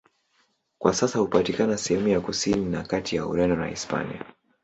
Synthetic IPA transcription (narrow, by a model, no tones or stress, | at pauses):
kwʔasasahupatikanasɛhɛmujakusininakatijaṵɾɛndɔna̰ḭspa̰nḭa̰